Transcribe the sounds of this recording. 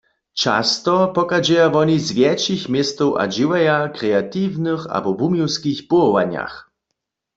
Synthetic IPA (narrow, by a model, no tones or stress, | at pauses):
t͡ʃa̰st̪ɔpɔkad͡ʒɛjavɔnizvjɛt͡ʃixmjɛst̪ɔwʔa̰d͡ʑiwɛjakʁɛat̪iwnɨxa̰bɔbumiwskixpɔɔwaɲa̰x